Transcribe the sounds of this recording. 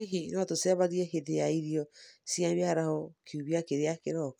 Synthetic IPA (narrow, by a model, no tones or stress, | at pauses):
iɦinɔtoseaβaɣiɛɦeðejaiɾiɔsjaβjaɾahɔkʰiuβiakeɾeakeɾɔ